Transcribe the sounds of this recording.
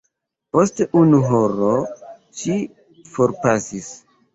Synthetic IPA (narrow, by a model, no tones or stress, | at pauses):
po̞steʔunuɦoɾo | ʃi | fo̞ɾpasis